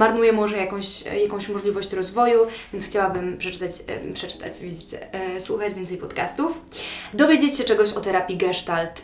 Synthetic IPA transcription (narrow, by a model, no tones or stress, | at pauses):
maɾnujɛmɔʐɛjakɔ̃w̃ɕjakɔ̃w̃ɕmɔʐlʲivɔɕt͡ɕɾɔzvɔjuvʲjɛnsxt͡ɕawabɘmpʂɛt͡ʂɘ̥t̪at͡ɕpʂɛt͡ʂɘ̥t̪a̰t͡ɕvʲizɘt͡ɕɛ̰swuxad͡ʑvʲɛnt̪sɛjpɔt̪kast̪ufd̪ɔvʲed͡ʑet͡ɕt͡ɕːɛt͡ʂɛɡɔɕɔt̪ɛɾapʲiɡɛʂt̪alt̪